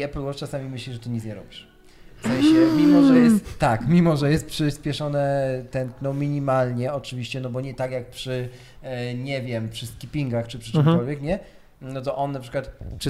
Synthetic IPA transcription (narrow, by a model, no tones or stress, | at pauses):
ɛplwɔɾt͡ʂasamʲimɘɕlʲiʐɛt̪uɲit̪zɲaɾɔbʲiʂ | fsɛ̃ɕɛmʲimɔʐɛjɛst̪ːakmʲimɔʐɛjɛst̪̚pʂɘspʲjɛʂɔnɛt̪ɛnk̪nɔwmʲiɲimalɲɛɔt͡ʂɘvʲiɕt͡ɕɛnɔbɔɲɛt̪akjak̚pʂɘ | ɲɛvʲjɛmpʂɘskʲipʲiŋɡaxt͡ʂɘpʂɘt͡ʂɨmkɔlvʲjɛkɲɛ | nɔt̪ɔʔɔnːapʂɘ̥kwat̪pʂ